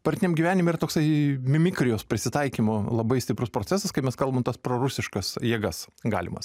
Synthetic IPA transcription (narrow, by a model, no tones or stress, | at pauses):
pɐɾʲt̪ʲɪnʲɛmɡʲiʋʲæːnʲɪmiɾɐt̪oːksɐɪmʲɪmʲɪkɾʲɪjoːspʲɾʲɪsʲɪt̪ɐɪkʲimʊlˠɐbɐɪsʲt̪ʲɪpɾʊspɾoːtt͡s̪ʲɛsɐskɐɪmʲɛskɐlˠbɐmt̪ɐspɾoɾʊsʲɪʃkɐsjiɛɡɐsɡɑ̰ːlʲɪmɐ̰s